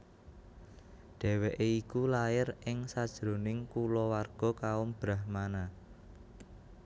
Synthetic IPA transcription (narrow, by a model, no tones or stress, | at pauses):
ɖ̥ɛ̤weʔeikulaɪrɪŋsad̥ʒ̥ɾonɪŋkulɔwarɡ̥ɔ̤kaʊmb̥ɾahmana